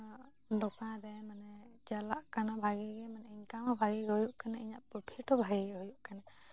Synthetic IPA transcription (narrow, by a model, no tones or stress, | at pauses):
d̪ɔkãɾɛmanɛd͡ʒalaʔkanabʱaɡɛɡɛmanɛiɲkamabʱaɡɛɡɛhujuʔkanaiɲaʔpupʰiʈɔbʱaɡɛɡɛɦujuʔkana